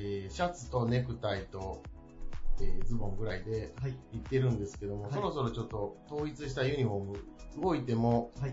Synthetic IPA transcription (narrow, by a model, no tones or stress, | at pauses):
eːɕat͡sɨ̥t̪o̞ne̞kɯ̟t̪ait̪o̞ | eːd͡zɨbõ̞ŋɡɯ̟ɾaid̪e̞it̪ːe̞ɾɯ̟̃nd̪e̞sɨ̥ke̞d̪o̞mo̞so̞ɾo̞so̞ɾo̞t͡ɕo̞t̪ːo̞t̪o̞ːit͡sɨɕi̥t̪ajɯ̟ɲ̟iɸo̞mɯ̟ɯɡo̞it̪e̞mo̞